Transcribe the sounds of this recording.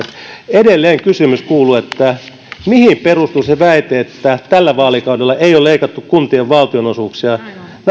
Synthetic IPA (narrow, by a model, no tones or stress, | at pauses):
edelːeːŋkysymyskuːluet̪ːæ | mihimperust̪useʋæit̪eːt̪ːæt̪ælːæʋɑːlikɑudelːɑʔeijoleikɑt̪ːukkunt̪ieʋʋɑlt̪ionosuːksiɑn